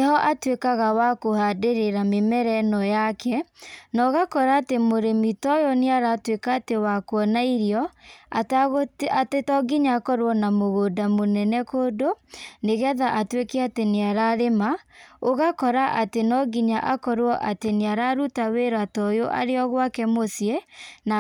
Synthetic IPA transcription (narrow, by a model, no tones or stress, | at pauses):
ehɔʔatwekaɣawakohadeɾeɾamemɛɾɛnɔjakʰɛnɔɣakɔɾaːtemoɾemitɔjɔneaɾatwekaːtewakwɔnaiɾiɔatɣatetɔɡiɲaːkɔɾwɔnamoɣodamonɛnɛkodoneɣɛðaʔatwekɛateneaɾaɾemaoɣakɔɾaʔatenɔɡiɲaʔakɔɾwɔʔateneaɾaɾutaweɾatɔjoʔa̰ɾeɔɣwakɛmosjena